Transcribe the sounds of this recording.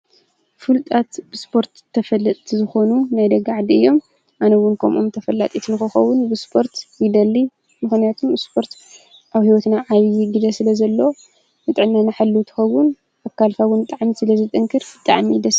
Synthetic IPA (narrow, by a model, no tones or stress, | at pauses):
fɨlt̪ʼat̪bɨspʰo̞ɾt̪ʰːɐfɐlːɐt̪ʼt̪ʰizɨxo̞nunajd̪ɐɡaʕd̪iɨjːo̞m | ʔanɐwʊnkʰɐmʔumt̪ʰɐfɐlːa̰t̪ʼit̪ʰnɨxɨxɐwːʊnbɨspʰo̞ɾt̪jɪd̪ɐlːi | mɨxnijat̪ʰumɨspʰo̞ɾt̪ | ʔaβhiwɔt̪naʕaβjɪɡɨzɐsɨlɐzɐlːo | nɨt̪ʼɨʕɨnːanaħalːut̪ʰɨ̥xɐwʊn | akːalfawʊnbɨt̪ʼaʕmisɨlɐzɨt̪ʼɨŋkʰɨɾbɨt̪ʼa̰ʕmid̪ɐs